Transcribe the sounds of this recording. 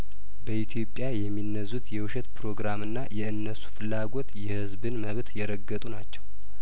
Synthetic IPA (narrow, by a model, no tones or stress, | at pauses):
bəʔit̪ʰjo̞pʼːjajɛmːinːəzut̪jɛwʊʃɛt̪pʰɾo̞ɡɾamɨnːajɛɨnːəsu̥fɨlːaɡo̞t̪jɛhɨzbɨnməβt̪jɛɾəɡːət̪ʼunat͡ʃːɛw